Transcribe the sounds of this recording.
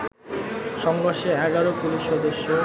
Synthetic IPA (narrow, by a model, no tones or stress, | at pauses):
ʃɔŋɡoʃeɛɡaɾopuliʃɔd̪eʃio